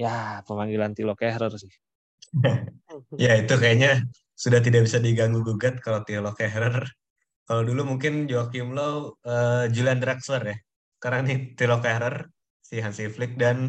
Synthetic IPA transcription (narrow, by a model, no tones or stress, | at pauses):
japəmaŋɡilant̪ilokɛɾərsɪh | jait̪ukajaɲa | sudaht̪̬idaʔbisadiɡaŋɡuɡuɡat̪̚kalawt̪ilokɛɾər | kalawdulumuŋkɪnd͡ʒoakiumlowəːd͡ʒuliandɾɛk̚sərjah | sə̥kaɾaŋnit̪ilokaɾər | siɦansiflɪk̚dan